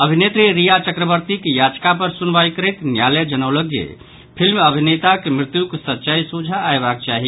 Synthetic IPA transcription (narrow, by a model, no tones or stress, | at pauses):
əbʱinet̪ɾiɾijat͡ʃəkɾəβəɾt̪ikejad͡ʒkapəɾsunbajkəɾet̪njaled͡ʒənəwləɡjḛ | pʰilməbʱinet̪akemɾɪt̪jukesətːt͡ʃajsud͡ʒʱaːebak̚t͡ʃaɦi